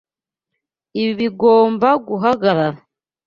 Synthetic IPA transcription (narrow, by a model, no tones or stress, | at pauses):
iβiβiɡo̞ːmbaɡuɦaɡaɾaɾa